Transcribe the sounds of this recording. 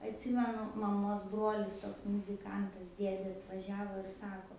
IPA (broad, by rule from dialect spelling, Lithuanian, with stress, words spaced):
ɐtʲˈsʲɪmʲɛnʊ mɐˈmoːs ˈbroːlʲɪs ˈtoːks mʊzʲɪˈkɐntɐs ˈdʲiɛdʲeː ɐtʋɐˈʒʲæːʋoː ɪr ˈsɑːkoː